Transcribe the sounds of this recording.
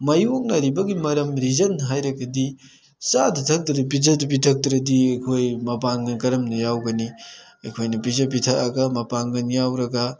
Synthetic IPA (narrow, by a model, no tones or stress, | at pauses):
mɐjok̚nɐɾibɐɡimɐɾɐmɾizɐnɦajɾɐɡɐdi | sadɐtʰɐk̚dɾɐp̬izɐdɐp̬itʰɐk̚dɾɐdiɐjkʰojmɐpaŋɡɐnkɐɾɐmnɐjawɡɐni | ɐjkʰojnɐpizɐp̬itʰɐɐɡɐmɐpaŋɡɐnjawɾɐɡɐ